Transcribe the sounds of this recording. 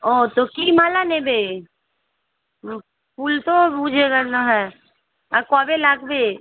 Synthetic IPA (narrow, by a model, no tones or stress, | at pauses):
oːt̪okimaːlanẽbe | puːlt̪oud͡ʒʱeɡəɾnaɦɛ | akɔːbelakbe